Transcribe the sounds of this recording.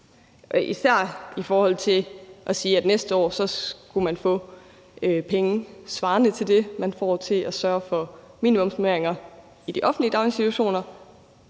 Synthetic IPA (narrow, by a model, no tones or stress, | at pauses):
ʔɒʔisæɐ̰ifɒːhɒ̽l̰t͡sʰe̝ʔɒsiːæd̥nesd̥əɒ̰ːsɒ̽ɡ̥umænfɔ̰̽ː | øpʰeŋəsʋɑ̈ːnət͡sʰe̝ld̥e̝mænfɒ̰ːt͡sʰe̝læsɶːɐfɒ̽ | mḭːnimɔ̽msomeɐeŋɐ | id̥iʔɒ̽fn̩dliəd̥ɑ̈ʊe̝nsit͡sʰuæɕo̝̰ːnɐ